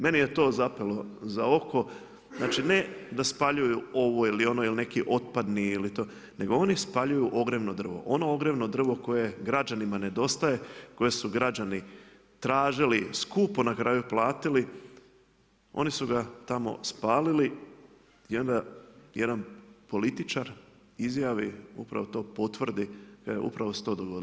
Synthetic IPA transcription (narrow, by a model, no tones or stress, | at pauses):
me̞nije̞t̪o̞ːzapelo̞zao̞ko̞ | znaːt͡ʃine̞d̪aspaʎujuo̞ʋoilio̞noiline̞kiʔo̞t̪̚pad̪niilit̪o̞ː | ne̞ɡo̞o̞nispaʎujuʔo̞ɡɾeʋnod̪r̩ʋo̰ʔo̞no̞oɡɾeʋno̞d̪r̩ʋo̞ko̞je̞ɡɾad͡ʒanimane̞d̪o̞st̪aje̞ko̞je̞suɡɾad͡ʒani | t̪ɾaːʒiliskuːponakɾaːjuplˠaːt̪ili | o̞̰nisuɡat̪amo̞̰spaːlili | jo̞nd̪aje̞d̪anpo̞lit̪it͡ʃaɾ | izjaʋiṵpɾa̰ʋot̪o̞ːpo̞t̪ʋr̩d̪ikajeʔṵpɾaʋost̪o̞d̪oɡo̞d̪i